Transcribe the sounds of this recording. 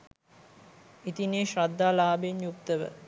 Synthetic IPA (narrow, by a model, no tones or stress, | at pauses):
it̪ineːʃɾad̪ːaːlaːbenjukt̪əʋə̰